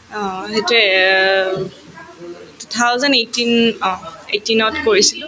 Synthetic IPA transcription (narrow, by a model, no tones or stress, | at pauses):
ɔ̃hetuɛ | tutʰawzɛnejtinɔ̃ḛtinɔtkoɹisi